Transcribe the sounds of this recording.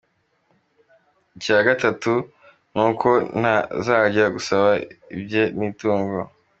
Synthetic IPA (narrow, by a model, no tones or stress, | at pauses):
icaːɡatatu | n̥uːkʰo̞n̥hazaːɟaɡusaβaḭbɟeniːtuːŋɡo